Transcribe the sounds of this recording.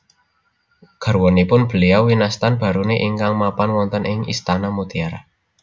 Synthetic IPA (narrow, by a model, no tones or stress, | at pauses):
ɡ̥ə̤rwɔnipʊnb̥ə̤liawinast̪anb̥a̤ɾuneʔiŋkaŋmapanwɔnt̪ənɪŋḭst̪anamut̪iaɾa̰